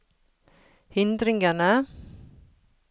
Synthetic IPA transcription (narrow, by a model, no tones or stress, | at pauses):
hʏnd̪ɾɪŋana